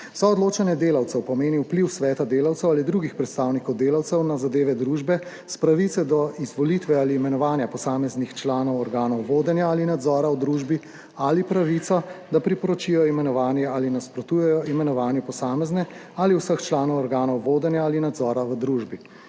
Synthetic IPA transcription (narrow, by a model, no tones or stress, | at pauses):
sɔɔd̪loːt͡ʃanjɛd̪eːlawt̪sɛwpɔmeːniwpliwsʋɛːt̪ad̪eːlawt̪sɛwalid̪ɾuːɡixpɾɛt̪st̪aːwnikɔwd̪eːlawt̪sɛwnazad̪eːʋɛd̪ɾuːʒbɛ | spɾaʋit̪sɛd̪ɔizʋɔlit̪ʋɛaliːmɛnɔʋaːnjapɔsaːmɛznixt͡ʃlaːnɔwɔɾɡaːnɔwʋoːd̪ɛnjaalinad̪zɔːɾawd̪ɾuʒbi | alipɾaʋit̪sɔd̪apɾipɔɾɔt͡ʃijɔimɛnɔʋaːnjɛalinaspɾɔt̪uːjɛjɔimɛnɔʋaːnjɛpɔsaːmɛznɛ | aliwsəxt͡ʃlaːnɔwɔɾɡaːnɔwʋoːd̪ɛnjaalinad̪zɔːɾawəd̪ɾuʒbi